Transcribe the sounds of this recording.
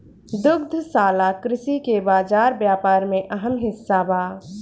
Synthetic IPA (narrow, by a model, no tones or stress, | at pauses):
d̪ʊɡd̪ʱsaːlakɾɪsikebaːd͡ʒaːɾbjaːpaːɾmẽʔəɦəmɦɪsːabaː